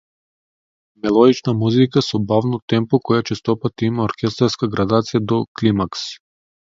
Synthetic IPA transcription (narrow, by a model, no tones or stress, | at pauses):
mɛlˠɔd̪it͡ʃnamuzikasɔbavnɔt̪ɛmpɔkɔjat͡ʃɛst̪ɔpat̪imaɔɾkʲɛst̪aɾskaɡɾad̪at̪sijad̪ɔklimaks